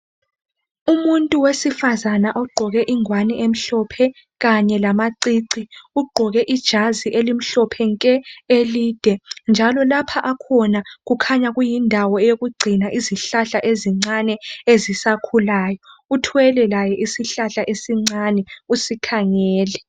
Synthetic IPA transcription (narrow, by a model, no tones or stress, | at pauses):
umuntʼuwesifazanaʔɔɡ͡ǃʱɔɣɛʔiŋwanɛʔem̩ɬɔpʰɛ | ɣaɲɛlamaǀiǀiuɡ͡ǃʱɔɣɛʔid̥ʒ̥ʱaziʔelim̩ɬɔpʰɛŋkʼɛeliːd̥ʱɛnd͡ʒʱalɔlapʰaʔakʰɔnaɣukʰaɲaɣujindʱawɔɛjoɣuɡ͡ǀʱinaʔiziɬaɬaʔeziŋ͡ǀanɛezisakʰulaːjɔutʰuɛlɛlajɛʔisiɬaɬaʔesiŋ͡ǀanɛusikʰaŋɛːlɛ